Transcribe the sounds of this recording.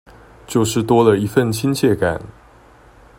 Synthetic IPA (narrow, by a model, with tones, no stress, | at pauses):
t͡ɕjo˥˧ʊʂɻ̩˥˩t̪wɔ˥lə˨i˧˥fə˥˨˩nt͡ɕʰi˥nt͡ɕʰjɛ˥˩ka̰˨˩˦n